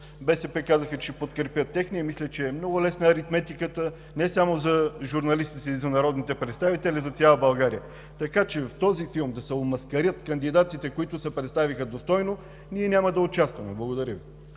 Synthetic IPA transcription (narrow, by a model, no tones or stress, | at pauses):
bɛsɛpɛkazəxət͡ʃɛpot̪kɾɛpʲjət̪ːɛxniɛmislʲɛt͡ʃɛːmnɔɡʊlɛsnəːɾit̪mɛt̪ikət̪ə | nɛsamozɐʒuɾnɐlist̪it̪ɛizɐnɐɾɔd̪nit̪ɛpɾɛt̪st̪avit̪ɛlʲizɐt̪sʲjalˠəbɐlˠɡaɾijə | t̪ɐkat͡ʃɛft̪ɔzifilˠmd̪ɐsɛomɐskɐɾjət̪kənd̪id̪at̪it̪ɛkoit̪ʊsɛpɾɛt̪st̪avixəd̪ost̪ɔjno | niɛnʲamɐd̪ɐot͡ʃast̪vɐmɛblˠɐɡod̪ɐɾʲəvi